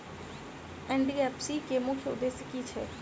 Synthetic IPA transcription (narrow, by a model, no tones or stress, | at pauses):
ɛ̃ɳɖiɛpsikemʊkʰjəʊ̰d̪ːeːsjəkit͡ʃʰɛ̰ː